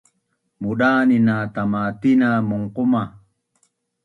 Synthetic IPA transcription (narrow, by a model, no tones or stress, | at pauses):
muɗaːninat̪amat̪inamuŋqʊma